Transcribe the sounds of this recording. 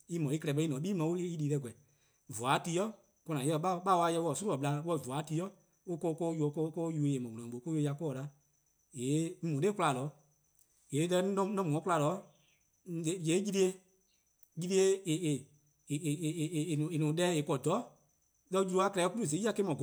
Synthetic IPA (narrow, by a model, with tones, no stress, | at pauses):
i˦mɔ̃˨˦i˦kɛ˧lɛ˨ɓɛ˧˦i˦nɔ̃˨˦ɓiː˦mã˧˦o˦i˦liː˨˦lɛ˧˨ɡʷɛ˨ | vɔ˨a˨˦ti˧˦jɔ˦ | kɔ˧nã˨˦ɔ˧˦ɓa˦˧˦ɓa˦wa˧˦jɛ˧wɔ˨su˦ɔ˨ɓla˧wɔ˧˨vu˨a˨˦ti˧˦jɔ˦ | o˦ko˦˧kɔ˦ju˧o˧˦kɔ˦kɔ˦ju˧˨˧e˨mɔ̃˨ũ˨nɔ̃˨ɓo˨˦ko˦jo˧˦ja˧kɔː˦˨la˨˦ | jeː˨˦ŋ̩̃˦mũ˨˦e˦kula˨lɔː˨˦ | je˨˦lɛ˧˦nɔ̃˦nɔ̃˦mũ˨ɔ̃˨˦kla˧˨lɔː˨˦ | e˨˦˨je˨˦ji˧ɾi˦e˧ | ji˧ɾi˧˦e˧˦e˨e˨ | e˨nũ˨e˨nũː˨˦ɗɛː˦e˨kɔ˧˨dɔ˨˦ | lɛ˧˦d͡ʒu˧ɾu˧a˧˦klɛ˧ku˦ɾu˦˨ze˨˦a˧ke˦mɔ̃˨ɡ